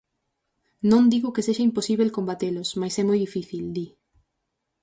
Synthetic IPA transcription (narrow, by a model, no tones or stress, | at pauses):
nõnd̪iɣokeseʃaimposiβ̞elkombat̪elʊsmajsɛmojðifiθild̪i